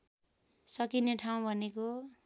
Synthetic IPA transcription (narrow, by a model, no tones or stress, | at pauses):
sʌkineʈʰaw̃bʱʌneko